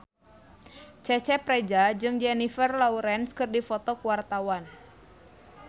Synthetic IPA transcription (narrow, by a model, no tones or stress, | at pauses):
t͡ʃɛt͡ʃɛpɾɛd͡ʒad͡ʒɨŋd͡ʒɛnifərlauɾɛnskɨrdifɔt̪ɔkuwart̪awan